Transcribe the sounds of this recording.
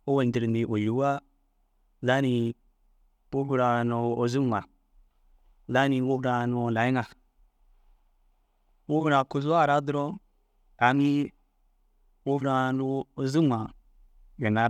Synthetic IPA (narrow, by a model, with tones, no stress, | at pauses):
o˦we˨n˨di˨ɾni˨wo˨ju˨˦wa˦ | za˦ni˨ | po˦ɡu˦˨ɾa˨no˨o˨zu˦mʷa˨ | za˦ni˨wo˦vɾa˨n˦o˨la˨˦i˦ŋa˨ | wo˦ɡu˦ɾa˨ko˨zu˦a˦˨ɾa˦dɾo˦ | a˨mi˦ | wo˦vɾa˦no˦o˨zu˦mʷa˨ | ɡe˨na˨